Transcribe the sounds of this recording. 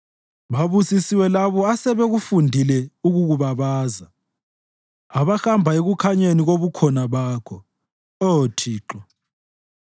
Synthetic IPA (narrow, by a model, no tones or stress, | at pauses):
βaβusisiwɛlaβɔasɛβɛɣufundʱilɛuɣuɣuβaβaːza | aβaxambʱaeɣukʰaɲeniɣoβukʰɔnaβaːkʰɔ | otʰiːǁɔ